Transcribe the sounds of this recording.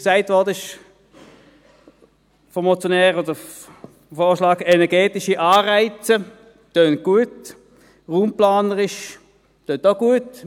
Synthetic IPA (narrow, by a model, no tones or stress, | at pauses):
ksaɪtvɔʁdəɪʃ | fɔmɔt͡sjɔnɛːʁodə | foːʁʃlaːɡɛnɛɐʁɡɛːtɪʃiʔaːʁaɪt͡sə | tøːn̚ɡ̥uət | ʁuːmplaːnəʁɪʃ | tøːntoɡ̥uət